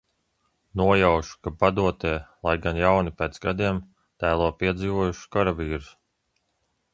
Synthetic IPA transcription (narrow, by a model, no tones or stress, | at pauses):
nuɔjawʃu̥kabad̪uɔt̪eːlˠajɡanjawnipeːt̪sɡad̪iɛm | t̪æːlˠuɔpiɛd̪ziːvuɔjuʃkaɾavʲiːɾus